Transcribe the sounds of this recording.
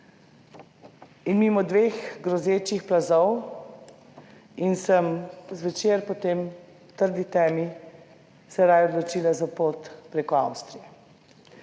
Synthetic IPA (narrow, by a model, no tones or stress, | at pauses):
inmimɔd̪ʋeːxɡɾɔzeːt͡ʃixplazɔw | insəmzʋɛt͡ʃeːɾpɔt̪eːm | t̪əɾd̪it̪ɛmi | sɛɾajɔd̪lɔt͡ʃiːlazapoːt̪pɾeːkɔawst̪ɾijɛ